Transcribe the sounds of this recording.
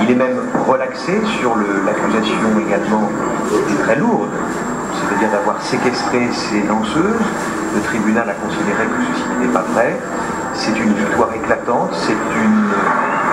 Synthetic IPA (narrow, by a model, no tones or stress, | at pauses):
ilɛmɛm | ʁəlaksesyʁləlakʲyzasjɔ̃eɡalmɑ̃ | ɛt̪ɛt̪χɛluʁd̪ | sɛt̪ad̪iʁd̪avwaʁsekʲɛst̪χeselɑ̃søːz | lət̪χibynalakɔ̃sid̪eʁekəsəsinɛpavʁɛ | sɛt̪ynvik̚t̪waʁeklat̪ɑ̃t̪sɛt̪yn